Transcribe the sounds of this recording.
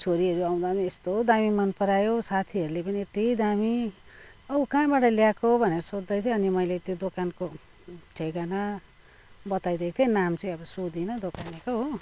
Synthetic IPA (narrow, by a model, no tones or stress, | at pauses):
t͡sʰoɾiʌɾuaw̃d̪aniest̪oɦd̪amimʌnpʌɾajosat̪ʰiɦʌɾulepʌniet̪id̪ami | ʌukãːbaʈʌljakoɦobʱʌneɾʌsod͡zd̪ʌjt̪ʰjeʌnimʌjlet̪jod̪okanko | ʈʰeɡanʌ | bʌt̪ajd̪ekt̪ʰjenamt͡sʌĩj̃ʌbʌsud̪inʌd̪okanekoɦo